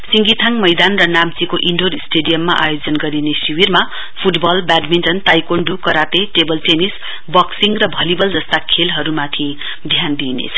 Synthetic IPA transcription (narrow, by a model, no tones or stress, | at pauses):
siŋɡit̪ʰaŋmʌjd̪anrʌnamt͡sikoʔiɳɖoɾisʈeɖijʌmːaʔajod͡zʌnɡʌɾinesiwirma | pʰuʈbʌlbaɖmiɳʈʌnt̪ajkoɳɖukʌɾat̪eʈebʌlʈenis | bʌksiŋɡrʌbʱʌlibʌld͡zʌst̪akʰelɦʌɾumat̪ʰi | d̪ʱjand̪inḛt͡sʰʌ̥